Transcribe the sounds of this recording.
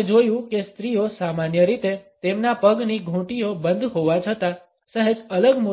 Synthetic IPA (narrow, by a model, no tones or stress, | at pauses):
d͡ʒojũkest̪ɾijosamanjəɾit̪et̪emnapəɡniɡʱũʈiobənd̪ʱɦoʋat͡ʃʰət̪a | səɦed͡ʒələɡmo